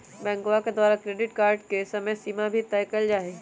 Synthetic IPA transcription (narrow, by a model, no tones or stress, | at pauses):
bɛ̃ːŋɡowaked̪aːɾakɾeːɖɪʈkaːɾɖkesɐməjsiːmabʱit̪ɛːkəld͡ʒaːe